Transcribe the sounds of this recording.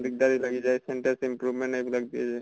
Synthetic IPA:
d̪ik̚d̪aɾilaɡid͡ʒajseɳʈaɾsimpɾubmẽɳʈaklaɡ̚d̪ied͡ʒaj

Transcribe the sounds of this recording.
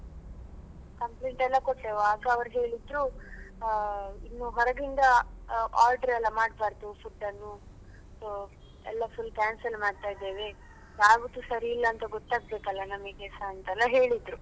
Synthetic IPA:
kɐmpleːɳʈɛlːɐkoʈːeːʋoaːɡɐːʋɐɾɦe̞ːɭid̪ɾu | inːuɦɔɾɐɡind̪ɐaːlɖɐɾɛlːɐmaːɽbaːɾd̪ufuʈːɐnːu | soː | ɛlːɐpʰulkaːnsɐlmaːɖt̪aːjd̪eːʋe̞ | jaːʋud̪usɐɾiːlːɐːnt̪ɐɡɔt̪ːaːɡ̚be̞ːkɐlːɐnɐmikɛsaɐnt̪ɛlːɐɦe̞ːɭid̪ɾu

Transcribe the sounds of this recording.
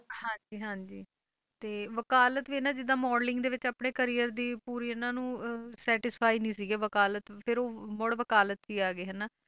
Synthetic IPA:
hãːd͡ʒiːɦãːd͡ʒiː | t̪eːʋəkaːlət̪ʋiːnãːd͡ʒɪd̪ãːmɔːɖlɪ̃ŋɡd̪eːʋɪt͡ʃaːpɳeːkəɾiːəɾd̪iːpuːɾiːʊnãːnũːsɛːʈɪspʰaːiːnĩːsiːɡeːʋəkaːlət̪pʰɪɾoːmɔɽʋəkaːlət̪ʋiːaːɡeːɦɛːnaː

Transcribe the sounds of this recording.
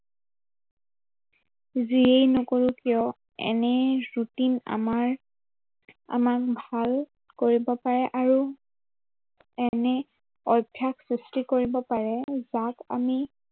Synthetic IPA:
ziejnʊkoɹukijɔ | ɛ̰nɛɹutina̰maɹ | a̰mak̚bʱal | koɹibɔpaɹɛʔaɹu | ɛnɛ | ɔjbʱjaksɹistikoɹibɔpaɹɛzaka̰mi

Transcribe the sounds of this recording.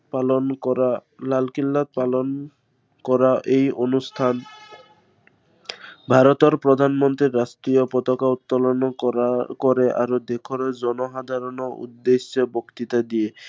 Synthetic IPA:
palonkɔɾalalkilːat̪̚palon | kɔɾaʔejonust̪ʰan | bʱaɾot̪oɾpɾod̪ʱanmɔnt̪ɾiɾːast̪ɾiopɔt̪ɔkaut̪ːɔlɔnɔkoɾeʔa̰ɾud̪ekʰoɾed͡ʑɔnoɦad̪ʱaɾɔnoṵd̪ːeʃːobokt̪it̪ad̪ije

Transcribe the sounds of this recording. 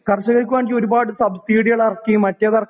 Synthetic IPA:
kɐrɕːɐɣɐɭkʲːuʋeːɳɡio̞ɾubaːɽɨsɐbɨsiːɽijɐɭɐrɐkːimɐtːɐðɐrɐkʰ

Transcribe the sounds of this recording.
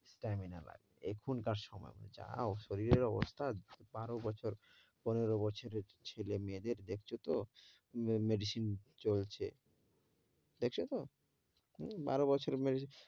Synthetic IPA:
sʈamina̰la̰ɡeekʰunkaɾʃɔmɔ̰eo̰nd͡ʑa̰oʃoɾiɾeɾɔbo̰st̪ʰabaɾobɔt͡ɕʰoɾ | poneɾobɔt͡ɕʰoɾeɾt͡ɕʰelemed̪eɾd̪ekʰt͡ɕʰot̪o | meɖiʃint͡ɕolt͡ɕʰe | d̪ekʰt͡ɕʰot̪o | ba̰ɾobɔt͡ɕʰoɾmeɖi

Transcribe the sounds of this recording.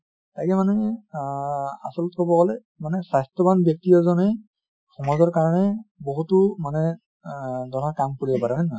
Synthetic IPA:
tajkɛmanɛ | a̰sɔlɔtkɔbɔɡɔlɛ | manɛsajstɔbanbjɔk̚tijɔzɔnɛ | xɔmɔzɔɹkaɹɔnɛboɦutumanɛ | dɔnaɹkamkuɹibɔpaɹɛɦanɔ

